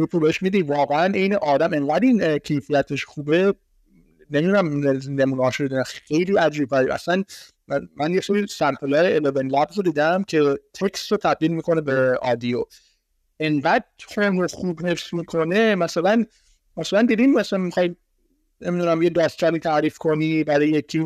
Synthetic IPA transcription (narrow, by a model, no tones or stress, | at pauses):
upʰubeeʃmid̪ivɒːɣeænejneʔɒːd̪æmeŋɡæd̪ĩnkʰejfijæt̪ʰeʃxuːbe | nemid̪unæmeznemunɒːʃd̪id̪næxejliːæd͡ʒiːbæɾiʔæ̰sæn | mænjeseɾisæɾt̪ʰelæɾeelevenlæbzod̪iːd̪æmkʰet̪ʰekst̪ɾot̪ʰæb̚d̪iːlmiːkʰo̞nebeɒd̪io | endæd̪̚t̪ʰemɾoxuːbhe̞fsmikʰonemæsælæn | mæsælænd̪id̪imæsænmixɑji | nemid̪unæmjed̪æːst̪t͡ʃʰæɾiːt̪ʰæʔɾiːfkʰonibæɾɒːjekʰi